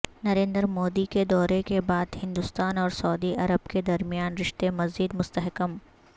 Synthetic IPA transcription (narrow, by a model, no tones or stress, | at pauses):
nɐɾẽːnd̪əɾmoːd̪iked̪ɔːɾekebaːd̪hɪ̃nd̪ʊst̪aːnɔːɾsɐːd̪iʔɐɾəbked̪ɐɾmijaːnɾɪʃt̪emɐziːd̪mʊst̪əɦkəm